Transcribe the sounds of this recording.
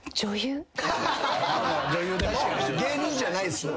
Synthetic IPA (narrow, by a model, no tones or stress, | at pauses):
d͡ʑojɯ | d͡ʑojɯːd̪aɡeɲĩɲd͡ʑanaisɨ